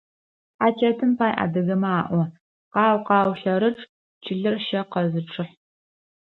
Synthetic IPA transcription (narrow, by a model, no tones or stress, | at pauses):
ħaːt͡ʃʰɐtʰɨmpʰaːjʔa̰dɐɣɐmaːʔʷɔ | qɑːwqɑːwɬɐɾɨʈ͡ʂʼ | t͡ʃʰɪɮɨrʃɐqɐzɨʈ͡ʂʰʼɨħ